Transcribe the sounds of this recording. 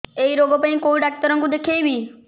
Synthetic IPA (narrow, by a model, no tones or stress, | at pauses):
eiɾoːɡopɐ̃ĩkoːʋiɖaːk̚ʈ̪əɾə̃ŋɡũd̪ekʰeibiː